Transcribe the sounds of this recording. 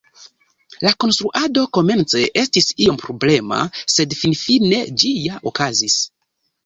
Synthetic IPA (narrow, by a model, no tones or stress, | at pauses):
lako̞nstɾuʔado̞ko̞me̞nt͡se̞ʔe̞stisio̞mpɾoble̞ma̰se̞dfinfine̞d͡ʒijaʔokazis